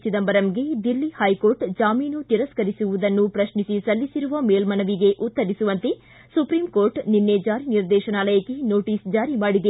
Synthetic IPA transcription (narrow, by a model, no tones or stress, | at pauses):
t͡ʃid̪ɐmbɐɾɐmɡed̪ilːihɐjkoːɾʈd͡ʒaːmiːnut̪iɾɐskɐɾisuʋud̪ɐnːupɾɐʃnisisɐlːisiɾuʋɐmeːlmɐnɐʋiɡe̞ʔut̪ːɐɾisuʋɐnt̪e | supɾiːmkoːɾʈninːed͡ʒaːɾiniɾd̪ɛːʃɐnaːlɐjɐkːeno̞ːʈiːsd͡ʒaːɾimaːɽid̪e